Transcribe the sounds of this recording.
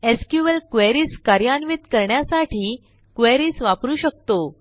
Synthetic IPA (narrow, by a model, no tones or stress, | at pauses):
eskjuʋəlkʋeɾiːskaɾjanʋit̪kəɾɳjasaʈʰiː | kʋeɾiːsʋapɾuːɕək̚t̪o